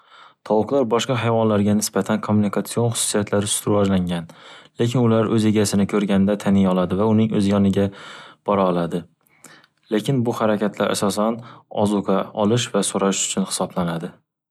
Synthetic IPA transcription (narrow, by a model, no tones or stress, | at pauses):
t̪ʰɒwʊqlˠaɾbɒʃqɑɦajvɒnlaɾɡʲanɪsbat̪ʰankʰomːunikʰat̪sio̞nχʊ̥sʊ̥sijat̪ʰlaɾɪsʊ̥t̪ʰʊɾvɒd͡ʒlaŋɡʲanle̞kʲʰɪnʊlaɾɵze̞ɡʲasɪnɪkʰɵɾɡʲanɪd̪at̪ʰanɪjɒlˠad̪ɪvaʊnɪŋɵzjɒnɪɡʲab̥ɒɾaːlˠad̪ɪ | lekʲʰɪnbʊhaɾakʲat̪ʰlaɾʔa̰sɒsanɒ̰zʊqʰaɒlˠɪʃvasoɾaʃʊ̥t͡ʃʰʊnhɪ̥sɒblanad̪ɪ